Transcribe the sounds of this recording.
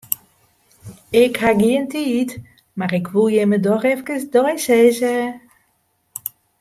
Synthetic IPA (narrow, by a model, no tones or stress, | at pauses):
ɪkhaɡiəntiːt | marɪkʰʋulˠjemədɔxɛfkəsdɔjseːzə